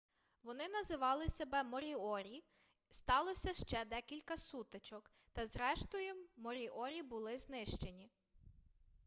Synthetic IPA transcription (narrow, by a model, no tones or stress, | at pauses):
ʋɔnɪnɐzɪʋɑlˠɪsebɛmɔɾʲiɔɾʲi | st̪ɑlˠɔsʲɐʃt͡ʃɛd̪ɛkʲilʲkɐsut̪et͡ʃɔk | t̪ɐzɾɛʃt̪ɔjʊmɔɾʲiʔɔɾʲibʊlˠɪznɪʃt͡ʃe̞nʲi